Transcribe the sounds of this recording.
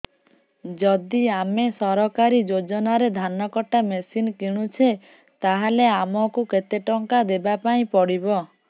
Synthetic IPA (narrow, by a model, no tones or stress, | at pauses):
d͡ʒɔd̪iamesɔɾɔkaɾid͡ʒod͡ʒɔnaɾed̪ʱanɔkɔʈamesinkiɽ̃ut͡ʃʰe | t̪aɦaleamɔkuket̪eʈɔŋkad̪ebapaĩpɔɽibɔ